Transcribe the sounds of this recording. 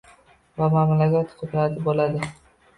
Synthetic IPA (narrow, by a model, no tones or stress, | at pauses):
vamamlakʲat̪qʰʊd̪ɾat̪ʰɪbolad̪ɪ